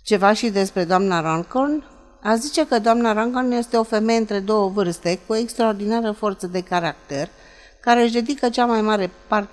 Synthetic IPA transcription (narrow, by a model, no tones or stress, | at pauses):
t͡ʃe̞vaʃid̪e̞spɾe̞d̪oamnaɾaŋkon | azit͡ʃe̞kəd̪oamnaɾaŋkonje̞st̪e̞o̞fe̞me̞jeɨnt̪ɾe̞d̪o̞wəvɨrst̪e̞kuoekst̪ɾaord̪inaɾəfo̞rt̪səd̪e̞kaɾak̚t̪er | kaɾeɨʃd̪e̞d̪ikət͡ʃamajmaɾe̞part̪e